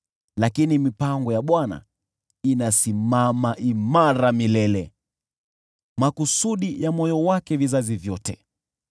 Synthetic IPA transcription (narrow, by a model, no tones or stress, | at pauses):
lakinimipaŋɡɔjaɓwana̰ | inasimamaʔimaɾamilɛlɛ | makusuɗijamɔjɔwakɛvizazivjɔtɛ